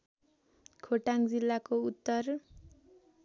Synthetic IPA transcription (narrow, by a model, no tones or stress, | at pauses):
kʰoʈaŋd͡zilːakout̪ːʌr